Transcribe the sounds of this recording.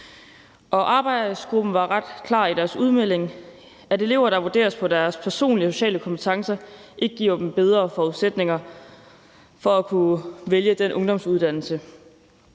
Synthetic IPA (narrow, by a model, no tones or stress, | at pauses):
ʔɒ̽ʔɑ̈ːb̥ɑ̈ɪd̥əsɡ̥ʁub̥n̩ʋɑ̈ʁɑd̥kʰlɑ̰̈ːid̥æɐsuðˠmel̰e̝ŋ | æd̥e̝le̝ʊ̰ɐɾ̥ɑ̈ʋuɐde̝̰ːɐspʰɒ̽d̥æɐspʰæɐso̝̰ːnliəso̝ɕɛ̰ːləkʰɒ̽mpʰə̥t͡sʰɑ̈ŋsɐʔe̝ɡ̥əɡ̥ḭɐd̥em̩b̥eð̞ˠʁɐfɒuðˠsed̥ne̝ŋɐ | fɒ̽ækʰuʋeljəd̥enʔɔ̽ŋd̥ɒ̽m̰suðˠd̥æn̰l̩sə